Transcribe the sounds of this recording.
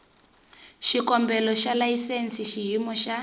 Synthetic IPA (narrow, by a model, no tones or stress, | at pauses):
ʃikɔmbɛlɔʃalajisensiʃiɦimɔʃa